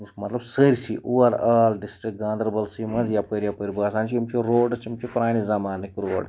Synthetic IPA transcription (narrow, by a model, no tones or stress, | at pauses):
mɐt̪lɐbsəɾʲsḭʔuːʋɐɾaːlɖisʈɾik̚ɡãːnd̪ɐɾbɐlsimɐnzjapəɾjapəɾʲibɐːsaːnt͡ʃiimt͡ʃiɾoːɖt͡ʃʰimt͡ʃipɾaːnizɐmaːnikɾoːɖ